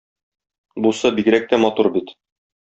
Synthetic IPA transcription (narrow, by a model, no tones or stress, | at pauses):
busɑbiɡɾæk̚t̪æmɒt̪uɾbit̪